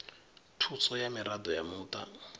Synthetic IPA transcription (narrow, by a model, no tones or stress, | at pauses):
tʰut͡sɔjamiɾad̪ɔjamuːt̪a̰